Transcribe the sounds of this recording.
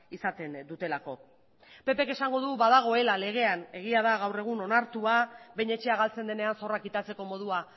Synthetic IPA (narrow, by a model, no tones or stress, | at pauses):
isat̪e̞nd̪ut̪e̞lako̞ | pe̞pe̞kesaŋɡo̞ðuβaðaɣ̞o̞e̞lale̞ɣ̞e̞ane̞ɣ̞iað̞aɣ̞awre̞ɣ̞uno̞naɾt̪uaβejɲe̞t͡ʃe̞aɣ̞alt͡se̞nd̪e̞ne̞anso̞rakit̪at͡se̞ko̞mo̞ð̞ua